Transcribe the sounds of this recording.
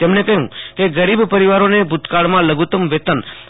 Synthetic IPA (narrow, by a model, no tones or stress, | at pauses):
t̪emnekəɦũkeɡəɾibpəɾiʋaɾonebʱut̪kaɭmãləɡut̪əmʋet̪ən